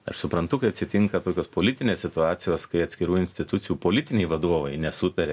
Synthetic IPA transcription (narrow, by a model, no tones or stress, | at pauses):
ɐ̰ʃsʊpɾɐnt̪ʊkɐɪɐt̪ʲsʲɪt̪ʲɪŋkɐt̪oːkʲoːspoːlʲɪt̪ʲɪnʲeːssʲɪt̪ʊɑːt̪sʲɪjoːskɐɪɐt̪sʲkʲɪɾuːɪnʲsʲt̪ʲɪt̪ʊt̪sʲɪjuːpoːlʲɪt̪ʲɪnʲɛɪʋɐd̪uɔʋɐɪnʲɛsʊt̪ɐɾʲeː